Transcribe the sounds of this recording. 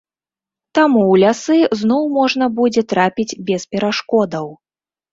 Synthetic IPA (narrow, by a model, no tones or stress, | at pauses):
t̪amuwlʲasɨznɔwmɔʐnɐbud͡zʲɛt̪ɾapʲid͡zʲbʲɛspʲɛɾaʂkɔd̪ɐw